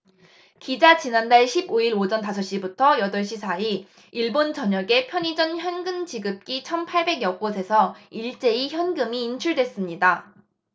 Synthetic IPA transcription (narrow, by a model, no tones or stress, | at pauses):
kid͡ʑat͡ɕinandaɭɕʰiboiɾod͡ʑʌntasʰʌɕ͈ibutʰʌjʌdʌɭɕ͈isʰai | iɭbont͡ɕʌɲʌɡe̞pʰjʌɲid͡ʑʌnçjʌnɡɯmt͡ɕiɡɯp̚k͈it͡ɕʰʌnpʰaɭbe̞ɡjʌk̚k͈osʰe̞sʰʌiɭt͡ɕ͈e̞içjʌnɡɯmiːnt͡ɕʰuɭdwe̞s͈ɯmɲida